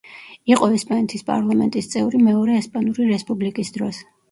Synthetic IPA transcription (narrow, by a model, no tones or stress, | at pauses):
iqʼɔɛspʼanɛt̪ʰispʼa̰ɾlˠamɛ̰nt̪ʼist̪sʼɛvɾimɛɔɾɛːspʼanuɾiɾɛspʼublikʼisd̪ɾɔs